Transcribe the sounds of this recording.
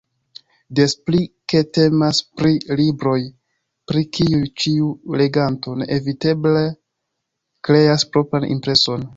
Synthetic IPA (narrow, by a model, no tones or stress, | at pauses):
de̞splike̞te̞maspɾilibɾo̞j | pɾikiujt͡ʃiule̞ɡanto̞ne̞̰ʔevite̞ble | kɾe̞aspɾo̞pɾanʔḭmpɾe̞so̞n